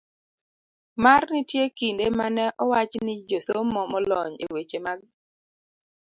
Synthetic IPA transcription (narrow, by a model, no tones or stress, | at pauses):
marnɪtjekindemanɛʔɔwat͡ʃnɪd͡ʒosomɔmɔlɔɲḛwet͡ʃemaɡ̚